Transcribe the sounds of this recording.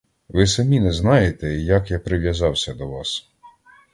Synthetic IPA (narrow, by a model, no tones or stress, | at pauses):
ʋɪsɐmʲinɛznɑjet̪ɛjɐkjapɾɪʋjɐzɑwsʲɐd̪ɔʋɑs